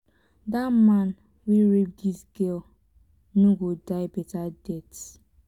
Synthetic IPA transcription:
damãn | weɹip̚disɡɛl | noɡodaɪbɛtadɛt

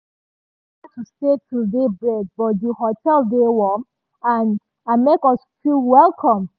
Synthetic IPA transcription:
atʰustetʰudebɹɛd̚bɔtjuɦotʰɛldewɔm | ãn | amekɔsfilwɛlˠkʰɔ̃m

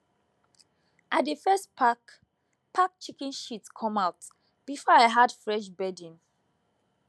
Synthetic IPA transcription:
ʔatdəfɛstpʰak | pʰak̚t͡ʃikɛ̃nʃitskʰɔ̃maʊt | b̥ifɔaɪɦadfɹɛʃ̬bɛdĩn

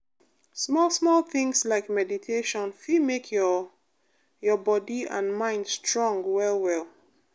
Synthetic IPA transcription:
smɔlˠsmɔlˠθɪ̃ŋslaɪkmɛditʰeʃɔ̃nfimekʰ | jɔbɔdiã̰nmãɪ̃ndstɹɔ̃ŋɡwɛlˠwɛlˠ

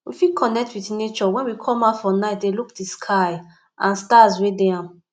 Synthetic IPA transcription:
wifikʰɔnɛk̚twitnet͡ʃɔwɛ̃nwikʰɔmafɔnaɪtdelukdiskʰaɪ | ʔãnstazwedeãm

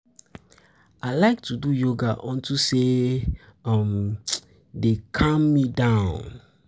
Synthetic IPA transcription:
aɪlaɪk̚tʰudujoɡaʔɔ̃ntʰuse | ʌm | dekʰãmːidãʊ̃n

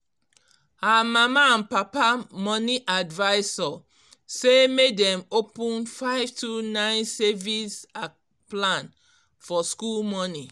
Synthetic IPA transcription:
hamamãːnpapamɔniʔadvaɪsɔ | semedɛ̃mopũnfaɪvtʰunãɪ̃nsɛvisa | plãn | fɔskulmɔni

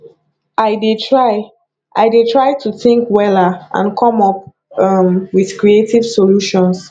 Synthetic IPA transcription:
aɪdetʰɹaɪ | ʔaɪdetʰɹaɪtuθĩŋkwɛlaã̰nkʰɔ̃mɔp̚ | ʌmwiðkɹietiv̥soluʃɔ̃ns

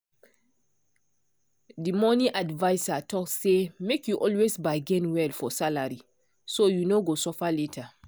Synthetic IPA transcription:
dimɔnĩʔadvaɪsatʰɔksːemekjuʔɔlwesbaɪɡɛ̃nwɛlfɔsalaɹi | sojunoɡosɔfaletʰə

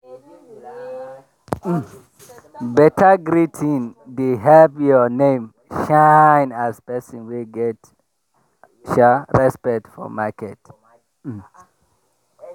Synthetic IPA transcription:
bɛtʰəɡɾitʰĩnduɦɛlpjɔnẽm | ʃaɪ̃nazpɛsɔ̃nwiɡɛt | ʃaɹɛspɛk̚tfɔ̰makɛt̩

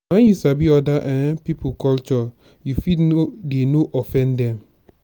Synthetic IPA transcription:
wɛ̃njusabiɔdaʔãnpipukɔlt͡ʃɔ | jufidenoʔɔfɛ̃ndɛ̃m

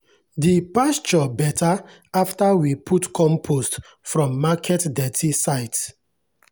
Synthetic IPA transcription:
dipast͡ʃɔbɛtʰa | aftawipʰutkʰɔ̃mpʰost | fɹɔ̃mːakʰɛtdɛtʰisaɪt

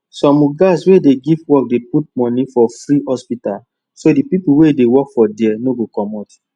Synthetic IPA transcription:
sɔ̃muɡaswedeɡivwɔk̚deput̚mɔ̃nifɔfɹihɔspital | sodipipuwedewɔkfɔdɛnoɡokɔmɔt

